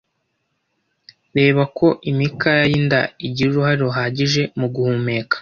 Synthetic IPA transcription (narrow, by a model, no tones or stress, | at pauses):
ɾe̞ːβakʰo̞ʔimikajajinda̰iɟiɾuɾuhaɾoɦaːɟiʒe̞muɡuhuːme̞ːkḁ